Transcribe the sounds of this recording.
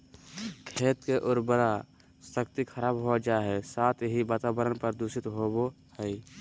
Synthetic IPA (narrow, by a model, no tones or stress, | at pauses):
kʰeːt̪keʔʊɾbəɾa | səkt̪ikʰəɾaːbɦod͡ʒaɦesaːt̪ʰɦibaːt̪abəɾənpəɾd̪uʃɪt̪ɦobo | hɛi